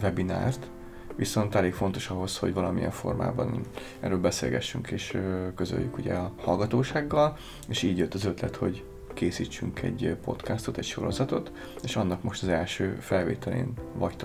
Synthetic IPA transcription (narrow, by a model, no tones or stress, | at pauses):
vɛbina̰ːrt̪ | ʋiso̞nt̪ɛleːkfo̞nt̪o̞ʃɒɦo̞sho̞ɟvɒlɒmijɛ̰ɱfo̞̰rma̰ːbɒ̰n | ɛ̰rːøːlbɛsḛːlɡɛ̰ʃːyŋkʰeːʃøkøzø̰jːykuɟɛ̰ɒhɒlɡɒt̪oːʃaːɡːɒl | eːʃiːɟjot̪ːɒzøt̪lɛt̪ho̞ɟ | keːsiːt͡ʃːyŋkʰɛ̰ɟpo̞̰t̪kast̪o̞t̪ɛcʃo̞ɾo̞zɒt̪o̞t̪ | eːʃɒnːɒkmo̞ʃt̪ɒzɛlʃøːfɛlveːt̪ɛlḛːnvɒct̪o